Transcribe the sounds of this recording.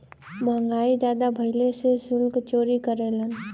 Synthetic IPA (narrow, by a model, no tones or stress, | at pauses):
məŋɡaːid͡ʒjaːd̪abʱɐɦɪlesesʊlkt͡ʃoːɾikəɾeːlən